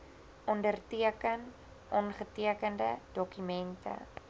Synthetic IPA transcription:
ʔɔndərtiəkən | ʔɔnχətiəkəndə̰d̥ɔkymɛntə̰

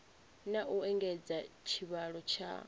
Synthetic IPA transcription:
naʔuɛŋɡɛd͡zat͡ʃʰiβaɺɔt͡ʃʰa̰

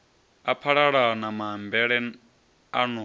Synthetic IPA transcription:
apʰaɺaɺanamambɛɺɛ | anu

